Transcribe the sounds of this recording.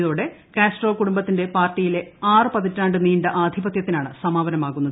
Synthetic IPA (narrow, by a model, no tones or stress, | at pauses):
ðoːɽe̞ | keːsʈro̞ːkuɽumbɐt̪ːindepaːrtːijile̞aːrɨpɐðitːaːɳɖɨniːɳɖɐʔaːd̪ʱibɐt̪jɐt̪ːinaːɳɨsɐmaːʋɐnɐmaːɣunːɐð